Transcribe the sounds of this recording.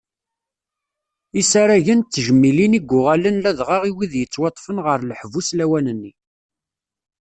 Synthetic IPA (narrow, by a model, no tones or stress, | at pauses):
isaɾæʝənt͡s̪ːəʒəmːiliniɡʷːʊʁælənlæðʁɑʁiwiðjət͡sːwɑt̪ˤːfənʁəɾlħvuslæwænənːi